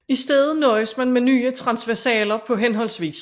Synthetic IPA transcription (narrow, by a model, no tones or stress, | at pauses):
isd̥eð̩ˠnɒ̽ːɪsmænmenyːət͡sʰʁɑ̈nsʋæɐsɛːlɐpʰɒ̽ɦenɦɒ̽l̰sʋḭːs